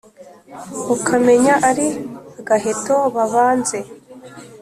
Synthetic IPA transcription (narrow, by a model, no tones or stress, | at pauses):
ukʰame̞ɲaʔaɾiaɡaɦeto̞βaβaːnze̞